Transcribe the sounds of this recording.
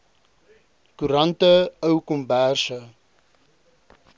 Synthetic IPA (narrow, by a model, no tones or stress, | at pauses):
kuɾɐntəəwkɔmbærsə